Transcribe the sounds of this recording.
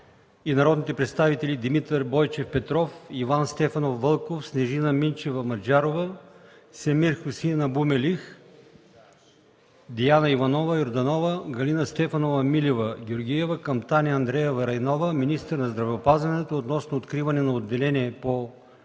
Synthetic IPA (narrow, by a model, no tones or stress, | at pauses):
inɐɾɔd̪nit̪ɛpɾɛt̪st̪avit̪ɛlʲid̪imit̪əɾbɔjt͡ʃɛfpɛt̪ɾɔfivanst̪ɛfɐnofːəlˠkofsnɛʒinɐmint͡ʃɛvɐmɐd͡ʒaɾovə | sɛmiɾxʊsinɐbumɛlix | d̪ijanɐivɐnɔvəjoɾd̪ɐnɔvəɡɐlinɐst̪ɛfɐnovɐmilʲivɐɡʲoɾɡʲijɛvɐkɐmt̪aniɐnd̪ɾɛjɛvɐɾɐjnɔvəminist̪əɾnɐzd̪ɾɐvɛopazvɐnɛt̪oːt̪nɔsnoːt̪kɾivɐnɛnɐod̪ːɛlɛnʲiɛpo